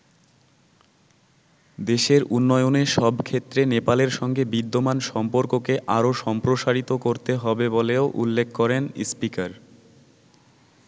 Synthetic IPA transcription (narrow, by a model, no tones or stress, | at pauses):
d̪eʃeɾʔunːɔjoneʃɔbkʰet̪ːɾenepaleɾʃɔŋɡebid̪ːomanʃɔmpoɾkokeʔaɾoʃɔmpɾoʃaɾit̪okoɾt̪eɦɔbeboleoʔṵlːekʰkɔɾenispikaɾ